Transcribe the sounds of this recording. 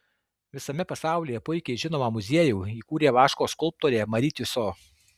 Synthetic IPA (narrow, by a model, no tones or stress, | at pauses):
ʋʲɪsɐmʲɛpɐsɑˑʊlʲiːjɛpʊɪkʲɛɪʒʲɪnoːmɐmʊzʲiɛjuːiːkuːɾʲeːʋɑːʃkoːskʊlˠp̚t̪oːɾʲeːmɐɾʲit̪ʲʊsoː